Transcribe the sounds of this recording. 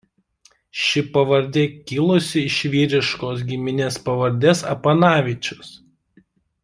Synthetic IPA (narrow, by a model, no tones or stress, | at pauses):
ʃʲɪpɐʋɐɾʲd̪ʲɛkʲɪlˠʊsʲɪɪʃʲʋʲiːɾʲɪʃkoːs̬ɡʲɪmʲɪnʲeːspɐʋɐɾʲd̪ʲeːsɐpɐnɑːʋʲɪt͡ʃʲʊs